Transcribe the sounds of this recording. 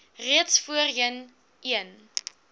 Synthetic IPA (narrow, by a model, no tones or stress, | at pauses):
riətsfuərɦiən | iən